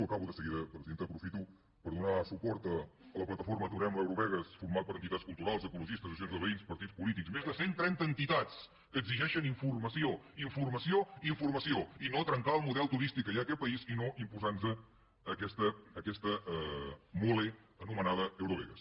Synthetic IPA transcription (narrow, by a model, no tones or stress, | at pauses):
əkaβuðəsəɣiðəpɾəziðent̪əpɾufit̪u | pəɾðunasupɔɾt̪əːləplət̪əfoɾmət̪uɾɛmləewɾuβɛɣəsfuɾmat̪̚pəɾənt̪it̪atskulˠt̪uɾalˠzəkuluʒist̪əzəs̬jonzðəβəinspəɾt̪itt͡spulit̪iksmezðəsent̪ɾɛnt̪əːnt̪it̪at͡s | kəːɡziʒɛʃəniɱfurməsioiɱfurməsioiɱfurməsioinot̪ɾəŋkaəlˠmuðɛlˠt̪uɾist̪ikːəʒaəkɛt̪̚pəizinoʔimpuzansəː | kɛst̪əːkɛst̪ə | moleənumənaðəəwɾuβɛ̰ɣə̰s